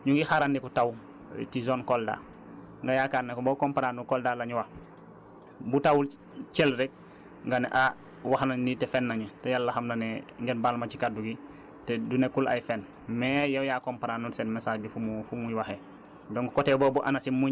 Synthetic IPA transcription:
ɲuŋɡixaɾandikutaw | tizonkolda̰ː | ŋɡajakaːnːekbokompaɾanukoldalaɲuwa | butawul | t͡ʃɛlɾɛk̚ | ŋɡanḛʔa | waxnanitefɛnːaɲɛtɛjalːaxamnaneŋɡenbalmat͡ʃikaduɡi | tedunekula̰jfɛn | mɛjawjakompaɾanusɛnmesalbifumufumujwaxe | doŋkkoteːbɔːbuʔa̰nasimuɲ

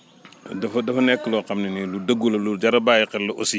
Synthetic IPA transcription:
dɐfɐdɐfɐnɛkːəlɔqɐmniniludɐɡːulɐluɟɐɾɐbaːjiqɛlːɐʔɔsi

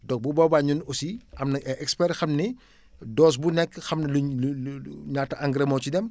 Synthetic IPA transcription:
dɔk̚bubɔbaːɲunosiɐmnɐɛʔɛkspɛrxɐmnɛ | dɔːs̬bunɛkːəxɐmnɐllɲaːtːɐʔɐŋɡɾɐmɔːt͡ʃidɛm

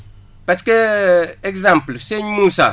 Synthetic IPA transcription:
paskeekzãmplseɲmusa̰

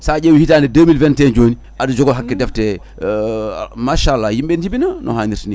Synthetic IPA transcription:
saɟewihitaːndɛdəmilvɛntend͡ʒoːni | ʔadud͡ʒoɡoɦakːɛdɛftɛ | maʃalːajimɓend͡ʒibinanʔo̰ɦaːniɾsini

